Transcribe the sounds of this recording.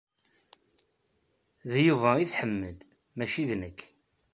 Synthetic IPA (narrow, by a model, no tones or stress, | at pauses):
ðjuvæiθħəmːəl | mæʃiðnəkː